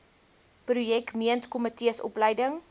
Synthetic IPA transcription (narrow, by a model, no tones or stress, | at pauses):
prujɛkmiəntkɔmətiəsɔ̰pləjdəŋ